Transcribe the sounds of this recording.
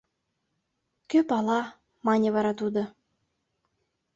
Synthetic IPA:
køpɑlɑ | mɑnʲə̆βɑɾɑt̪ud̪ŏ

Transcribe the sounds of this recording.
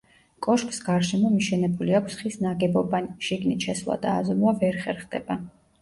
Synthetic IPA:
kʼɔʃkʼsɡaɾʃɛmɔmiʃɛnɛbuliakʷʰsχisnaɡɛbɔbanʃiɡnit̪ʃɛslˠa̰d̪aːzɔmuavɛɾχɛɾχd̪ɛba

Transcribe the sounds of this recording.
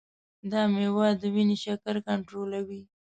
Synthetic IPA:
d̪ɑmewɑd̪ːəwineʃakaɾkaɳʈɾolawi

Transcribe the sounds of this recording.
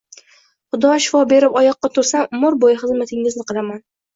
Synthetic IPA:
χʊd̪ɒʃɪ̥fɒbe̞ɾɪpɒjɒqːɑt̪ʰʊɾsammʊɾbojχɨzmat̪ʰɪŋɪznɪqʰɨlˠaman

